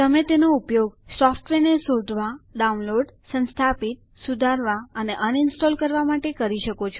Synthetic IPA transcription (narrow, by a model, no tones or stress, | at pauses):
t̪əmet̪enoupjoɡsɔfʈʋenesod̪ʱʋaɖaunloɖsə̃nst̪ʰapit̪̚sud̪ʱaɾʋaəneʔəninsʈɔlkəɾʋamaʈekəɾiʃəkot͡ʃʰo